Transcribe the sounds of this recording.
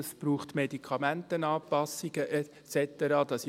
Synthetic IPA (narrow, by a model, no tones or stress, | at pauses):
əsb̥ɾuːχtmɛdikʰɑmæntənɑːpɑsːiɡ̥əʔɛ | t͡sɛtəɾɑːd̥̪ɑs